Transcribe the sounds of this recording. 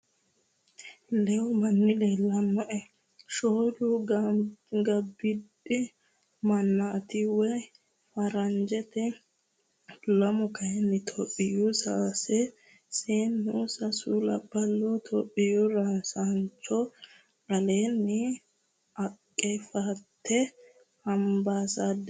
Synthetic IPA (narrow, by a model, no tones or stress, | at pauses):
lɛwʊmɐnːɪlɛlɐmːɔʔɛ | ʃoːlu | ɡɐbɪd | ɪ | mɐnːat̪ɪwɛ | fɐɾɐnd͡ʒɛt̪ɛ | lɐmɔkɐjɛnːɪt̪ʰɔpʼːɪjusaːsɛ | seːnːusɐsulɐbːɐlːuːt̪ʰɔpʼːɪjuɾasant͡ʃːɔ | ɐleːnːɪ | ɐkʼːɛfat̪ːɛ | hɐmbaːsad̪